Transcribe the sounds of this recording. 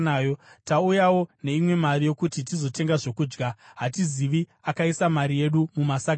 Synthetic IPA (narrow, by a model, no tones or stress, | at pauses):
ajotaujawo̞ne̞imwe̞marijo̞kutitizo̞te̞ŋɡaʐo̞kuːd͡ʒɡaɦatiziʋiakaisamaɾije̞ɗumumasaɡʱ